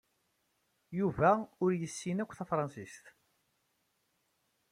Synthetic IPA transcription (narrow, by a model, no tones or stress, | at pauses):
juvæʊɾjəsːinækʷːθæfɾˤɑnsist̪